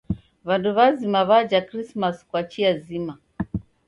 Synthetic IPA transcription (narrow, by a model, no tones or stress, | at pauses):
βanduβazimaβad͡ʒakɾismaskwat͡ʃiazima